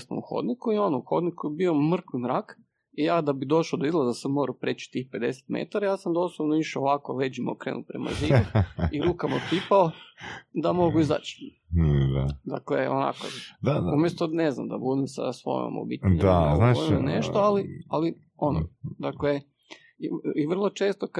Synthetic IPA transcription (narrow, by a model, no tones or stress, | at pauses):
sno̰muxo̰d̪nikuio̞nouxo̞d̪nikuebio̞mr̩kʋimɾak | ijaːd̪abid̪o̞ʃlod̪oizlˠazasamoɾapɾet͡ɕi̥t̪iːxpe̞d̪e̞̰se̥t̪mḛt̪aɾajaːsamd̪oslˠobnoiʃeoʋakoled͡ʒimokɾeːnṵpɾḛma̰ziiiɾuːkamop̪ipaod̪amo̞ɡuiza̰t͡ɕ | d̪ad̪a̰kleo̰na̰ko̰d̪aumjest̪onezna̰md̪a̰bud̪emsa̰sʋo̰jmo̰mo̰bit̪ɲaznaoimneʃt̪oaliali | o̞nod̪akle | iʋr̩lˠo̞t͡ʃeːst̪oka